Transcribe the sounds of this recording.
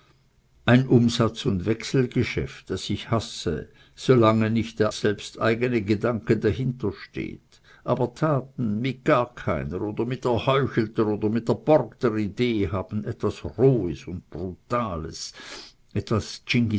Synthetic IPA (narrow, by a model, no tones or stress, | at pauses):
ʔaɪnʔʊmzat͡sʊndvɛksl̩ɡəʃɛ̰ft̚d̥asɪçhasə̰ | z̥olaŋənɪçtd̥eːɐz̥ɛlpstʔa̰ɪɡənəɡədaŋkədaɦɪntɐʃtḛːt | ʔaːbɐtʰaːtn̩mɪɡ̥aːɐkʰaɪnəoːd̥ɐmɪtɛɐhɔʏçl̩təʁoːdɐmɪt̚deɐb̥ɔrktəʁideːhaːb̥n̩ɛtv̥asʁoːəsʊnt̚b̥ʁutaːləs | ʔɛtv̥ast͡ʃɪŋɡi